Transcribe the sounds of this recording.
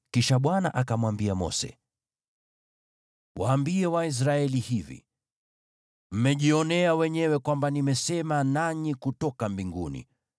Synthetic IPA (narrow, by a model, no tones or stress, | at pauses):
kiʃaɓwana̰ʔakamwambiamɔ̰sɛ̰ | waːmbiɛwais̬ɾaɛlihivḭ | m̩mɛʄiɔnɛawɛɲɛwɛkwambanimɛsɛmanaɲikutɔkambiŋɡṵnḭ